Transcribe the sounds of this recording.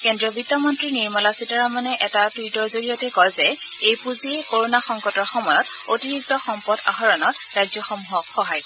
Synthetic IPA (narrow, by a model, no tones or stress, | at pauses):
kɛndɹɔbitːɔmɔntɹiniɹmalasitaɹamanɛʔɛtatwitɔɹzoɹijɔtɛkɔjzɛ | ejpuziekoɹonaxɔŋkɔtɔɹxɔmɔjɔt | otiɹik̚tɔxɔmpɔda̰ɦɔɹɔnɔt | ɹajzjɔxɔmuɦɔkxɔɦaj